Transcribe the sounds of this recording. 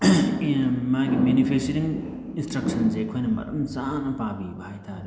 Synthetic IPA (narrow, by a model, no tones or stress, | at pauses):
maɡiminipʰesiɾiŋ | instɾɐk̚sʰɐnzejkʰojnɐmɐ̰ɾɐ̰mzanɐpabibɐhajtʰadi